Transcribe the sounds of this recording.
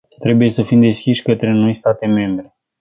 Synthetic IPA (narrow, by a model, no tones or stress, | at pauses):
t̪ɾe̞buje̞səfimd̪e̞skʲiʃʲkət̪ɾe̞no̞jst̪at̪e̞me̞mbɾe̞